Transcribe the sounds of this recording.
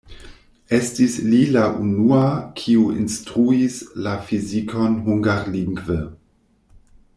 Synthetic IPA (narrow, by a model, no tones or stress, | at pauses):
estislilaʔunuakʰiuḭnstɾuislafizikʰo̞nɦuŋɡaɾliŋɡvə